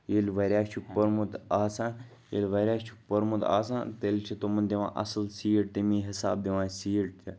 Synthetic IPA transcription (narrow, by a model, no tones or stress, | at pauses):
jelʲʋɐɾʲaːt͡ʃʰuk̚pɐɾmut̪aːsãːn | jḛlʲʋɐɾʲaːt͡ʃʰu̥k̚pɐɾmut̪a̰ːsã̰ːnt̪elʲt͡ʃʰit̪omɐnd̪iʋã̰ːʔɐ̰slsiːjʈ̚t̪imĩːɦisa̰ːb̚d̪iʋãːsiːʈt̪ʰi